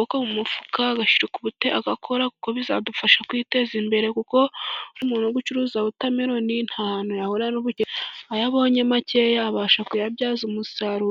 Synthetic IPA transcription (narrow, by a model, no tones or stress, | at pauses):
okomumufu̥kaːɡaʃiɾukuβuteʔaɡakʰo̞ɾaku̥ko̞βiza̰dufaʃakwiːte̞zimbe̞ɾe̞kuko̞uɾimuːnoɡut͡ʃuɾuːzaβutameɾo̞nin̥haːnojahoɾanoβueajaβo̞ːɲemace̞jaβaːʃakujabjaːzumusaɾu